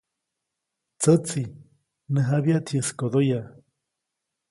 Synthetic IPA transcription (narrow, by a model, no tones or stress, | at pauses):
t͡sət͡si | nəɦaβiat̪ʰiəskoðoja